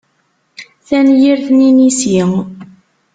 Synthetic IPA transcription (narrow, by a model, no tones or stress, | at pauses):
θænjiɾθninisiŋ